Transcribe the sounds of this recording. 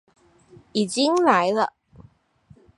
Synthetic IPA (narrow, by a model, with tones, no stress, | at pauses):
i˨˩t͡ɕi˥ŋla˨˧˥jlə˧